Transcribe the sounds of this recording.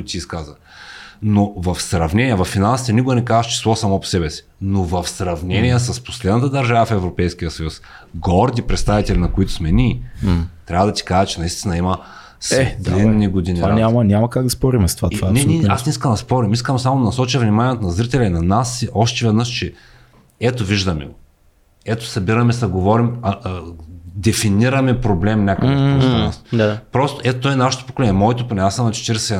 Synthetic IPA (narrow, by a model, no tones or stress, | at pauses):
t̪iːskazə | novɐfsɾɐvnɛniɛvɐfːinalˠsit̪ɛnikʊɛnɛkazəʃt͡ʃɛ̥slˠɔsamɔpo̥sɛbɛsi̥novɐfsɾɐvnɛnʲijɛs̬əspo̥slɛd̪ɐt̪əd̪ɐɾʒavəfɛvɾopɛjsk̟ijəsɐjusɡɔɾd̪ipɾɛt̪st̪avit̪ɛlinɐkʊit̪ʊ̥smɛni | t̪ɾʲavəd̪ɐt̪i̥kaʒɛt͡ʃɛnɐist̪inɐimɐ | sd̪linːiɡod̪inivanamɐnʲamɐkaɡd̪ɐspɔɾimɛst̪ovat̪nɛnɛasnɛiskɐmd̪ɐspɔɾimiskɐmsamod̪ɐnɐsɔt͡ʃjɐvnʲimanʲiɛt̪onɐzɾit̪ɛlʲɐinɐnasːiʔɔʃt̪ɛvɛd̪nəʃt͡ʃɛ | ɛt̪oviʒd̪ɐmɛ̰ɡo | ɛt̪o̥sɐbiɾɐmɛsɐɡovɔɾimɐ | d̪ɛfiniɾɐmɛpɾoblɛmnʲakɐk̪ansd̪apɾɔst̪oʔɛt̪ot̪ːɔɛnaʃo̥t̪o̥pokolɛnʲjɛmɔɛt̪oponʲɛasəmnɐt͡ʃɛ̥t̪iɾsɛ